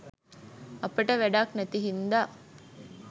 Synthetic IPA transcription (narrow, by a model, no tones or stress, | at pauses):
ɐpeʈəʋæɖaːknæt̪iɦind̪aː